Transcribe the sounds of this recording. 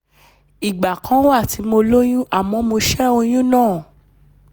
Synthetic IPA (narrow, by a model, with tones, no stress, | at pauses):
i˨ɡ͡ba˨kã˦wa˦˨ti˨˦mo˧lo˦j̃ũ˦ʔa˦˨mɔ̃˨˧˦mo˧ʃɛ˦o˧j̃ũ˦nãː˦˨